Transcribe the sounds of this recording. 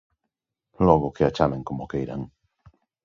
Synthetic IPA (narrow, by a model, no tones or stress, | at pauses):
loɣokeat͡ʃameŋkomokejɾa̰ŋ